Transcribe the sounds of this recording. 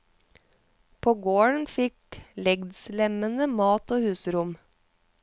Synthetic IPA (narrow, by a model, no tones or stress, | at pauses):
pʰoːɡoːɳ̩fɪklɛɡd̪slɛmənəmɑːt̪ʰoːhʉːsəɾʊm